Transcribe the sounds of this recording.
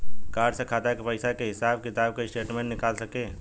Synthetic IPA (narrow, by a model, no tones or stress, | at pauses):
kaːɖsekʰaːt̪akepəɪsakeɦɪsaːb̚kɪt̪aːb̚keɪsʈeːʈmɛ̃ɳʈnɪkaːlsɐkeː